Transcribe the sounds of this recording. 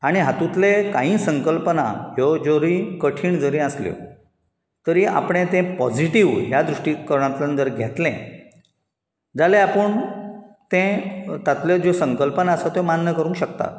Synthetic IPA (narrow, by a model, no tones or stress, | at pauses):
aɽ̃iɦat̪ũt̪lekãɦĩːsəŋkəlpənaɦjɔd͡zoɾikəʈʰiːɳd͡zəɾĩəsljo̰ | t̪əɾiʔa̰pɽ̃ẽt̪ɛ̃pɔd͡ʑiʈiʋɦjad̪ɾuʂʈiːkəɾɳ̃ãt̪lənt̪əɾɡʱet̪lḛ̃ | d͡zaleapəɳt̪ẽt̪at̪lɔd͡ʑosəŋkəlpənaəsat̪omanːəkəɾũŋkɕəkt̪a̰